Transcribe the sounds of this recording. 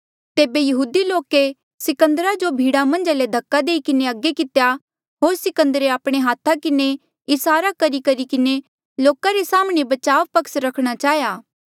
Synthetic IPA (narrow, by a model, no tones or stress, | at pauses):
t̪eːbejɐɦuːd̪iloːke | sɪkə̃nd̪əɾad͡ʒobʱiːɽamɐ̃nd͡ʒaled̪ʱɐkːad̪eːikɪneɐɡːekɪt̪ja | ɦoːɾsɪkə̃nd̪əɾeaːpɽ̃eɦaːt̪ʰakɪne | ɪsaːɾakɐɾikɐɾikɪne | loːkaɾesaːmɽ̃ebɐt͡ʃaːʋpɐksɾɐkʰɽ̃at͡ʃaːɦjaː